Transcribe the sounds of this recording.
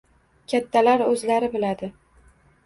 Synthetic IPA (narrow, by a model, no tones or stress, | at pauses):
kʲʰat̪ʰːalaɾɵzlaɾɪbɪlad̪ɪ